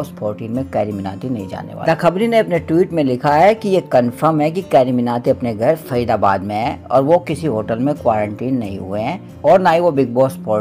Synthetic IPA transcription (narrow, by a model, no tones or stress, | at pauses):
spʰoːɾʈĩːnmẽkɛːɾimɪna̰ːt̪inɐɦĩd͡ʒa̰ːnḛʋa̰ːakɐbɾĩneɐpneʈwiːʈmẽlɪkʰaɦɛkijekɐnfəɾmɦɛ̃k̬ikɛːɾimɪnaːt̪iɐpneɡʱɐɾfɐiːd̪aːbaːd̪mẽɦɛ̃ːɔ̰ːɾʋokɪsiɦoːʈəlmẽkwaːɾə̃ɳʈiːnːɐɦḭ̃ɦṵeɦɛ̃ | ɔːɾnaːĩʋobɪɡ̚bɔːspoːɾ